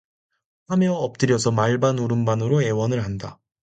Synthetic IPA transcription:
hamjʌʌp̚t͈ɯɾjʌsʰʌmaɭbanuɾɯmbanɯɾoe̞wʌnɯɭɦanda

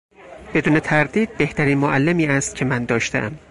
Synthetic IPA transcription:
b̥e̞d̪uːnet̪ʰæɾd̪iːd̪̚be̞ht̪ʰæɾiːnmoʔælːemiːæst̪̚cʲʰe̞mænd̪ɒːʃt̪ḛʔæm

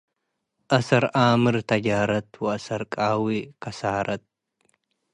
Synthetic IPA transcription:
ʔɐsɐɾʔaːmɨɾt̪ʰɐd͡ʒaːɾɐt̪wɐɐsɐɾkʼaːwikʰɐsaːɾʔɐt̪̚

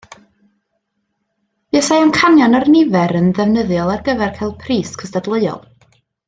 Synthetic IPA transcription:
iəsajankʰanjɔnɔrnɪvɛɾənðɛvnəðjɔlˠarɡəvɛrkʰajlˠd̚pʰriːskʰəstadlˠəɨɔ̰lˠ

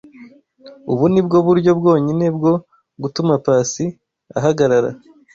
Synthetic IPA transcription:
uβunib̚ɡo̞βuɾɟo̞b̚ɡo̞ːɲine̞b̚ɡo̞ | ɡutumapaːsi | a̰ɦaɡaɾaɾa̰

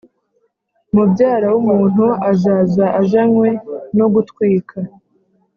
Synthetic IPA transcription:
mubɟaːɾawumuːn̥huazaːzaʔaʒanwe̞no̞ɡutkwiːkʰa

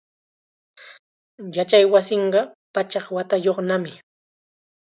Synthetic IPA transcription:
jat͡ʃajwasɪɴɢɑpat͡ʃɑχwat̪ajoχnamɪ

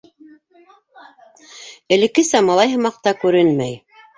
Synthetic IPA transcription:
ɘ̆lɘ̆kɘsæmɑlˠɑjɦɤ̆mɑq̚t̪ɑkʉɾɘnmæj

